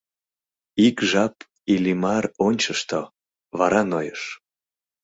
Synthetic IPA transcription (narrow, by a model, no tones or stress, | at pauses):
ikʒɑp | ilimɑɾonʲt͡ɕəʃt̪o | βɑɾɑnojəʃ